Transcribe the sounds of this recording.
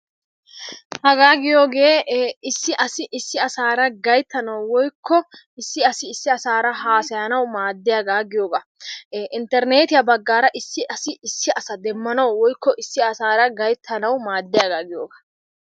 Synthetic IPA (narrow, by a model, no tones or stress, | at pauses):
hɐɡaːɡɪjo̞ːɡe̞ːɪsːɪʔɐsɪʔɪsːɪɐsaːɾɐɡɐjt̪ːɐnɐwwɔjkʰːɔ | ɪsːɪɐsɪːsːɪɐsaːɾɐɦaːsɐjɐnɐwmaːd̪ːɪjaːɡaːɡɪjo̞ːɡɐʔɪnt̪ɛɾne̞ːt̪ɪjɐbɐɡːaːɾɐʔɪsːɪʔɐsɪɪsːɪɐsɐd̪ɛmːɐnɐwwɔjkːɔʔɪsːɪɐsaːɾɐɡɐjt̪ʰːɐnɐwmaːd̪ːɪjaːɡaːɡɪjo̰ːɡɐ̥